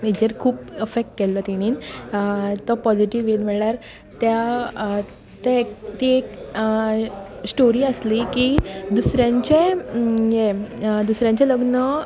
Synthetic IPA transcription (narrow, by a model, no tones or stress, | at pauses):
med͡ʑəɾkʰuːpefek̚ʈ̚kɛlːət̪iɽ̃iːn | t̪ɔpɔd͡ʑiʈiʋelm̤ɛɭɭjaɾ | t̪ja | t̪ɛkt̪iek | sʈoɾiːəslikid̪usɾjãɲt͡ɕejed̪usɾjãɲt͡ɕeləɡnə